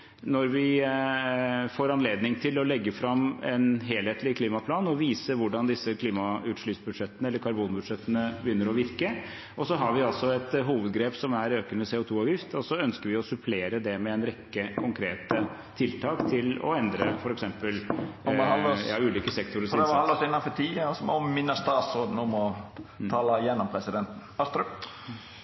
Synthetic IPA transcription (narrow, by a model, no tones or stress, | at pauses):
nɔɾʋɪ | foːɾɑnleːd̪nɪŋt̪ʰɪlɔlɛɡːəfɾɑmɛnɦeːlheːt̪lɪkʰliːmɑpʰlɑːnɔʋiːsəʋʊɖɑnd̪ɪsːəkʰliːmɑʉt̪ʂɭyːt̪sbʉd̪ʂɛt̪ːənəɛlːəɾkʰɑɾbuːnbʉd̪ʂɛt̪ːənəbəjʏnːəɾɔʋɪɾkə | ʔɔsɔɦɑɾʋɪɑlsɔɛt̪ɦuːʋəd̪ɡɾeːpsɔmæɾøːkənəseːʊt̪ʰuːɑːʋjɪft̪ɔsɔœnskəɾʋɪɔsʉpʰleːɾəd̪ɛmɛɛnɾɛkːəkʰʊŋkʰɾeːt̪ə | t̪ʰːɪlt̪ʰɑːkt̪ʰɪlɔ̰ɛnd̪ɾəfɔɾɛksɛmpəl | ɑljɑːʉːliːkəsɛkt̪ʊɾəsɑləɔsɪnːɑnfɔt̪ʰiːəsɔɔmmɪnːəst̪ɑːt̪sɾoːd̪n̩ɔmɔt̪ʰɑːləjɛnːɔmpʰɾɛsɪd̪ɛnt̪n̩ɑst̪ɾə